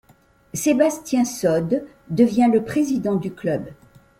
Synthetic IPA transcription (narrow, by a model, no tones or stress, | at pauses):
sebast̪jɛ̃sɔd̪ː | əvjɛ̃ləpχezid̪ɑ̃d̪yklœb